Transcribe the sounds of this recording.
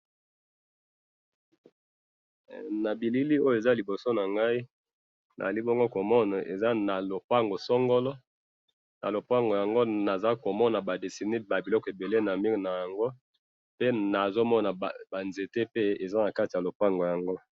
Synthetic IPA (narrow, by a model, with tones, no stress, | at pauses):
na˨bi˨li˦li˦o˦jo˦e˨za˦li˨bo˨so˦na˨ŋɡa˦i˦ | nʔa̰˨li˦bo˦ŋɡo˦ko˨mɔ˦na˨ʔe˨za˦na˨lo˨pa˦ŋɡo˨sɔ˦ŋɡo˦lɔ˦ | na̰˨lo˨pa˦ŋɡo˨ja˨ŋɡo˦na˨za˦ko˨mɔ˦na˨ba˨de˨si˨ne˦ba˨bi˨lɔ˦kɔ˨e˨be˨le˦na˨mi˦˨na˨ja˨ŋɡo˦ | pe˦na˨zo˦mɔ˦na˨ba˨nze˨te˦pe˦e˨za˦na˨ka˦ti˨a˨lo˨pa˦ŋɡo˨ja˨ŋɡo˦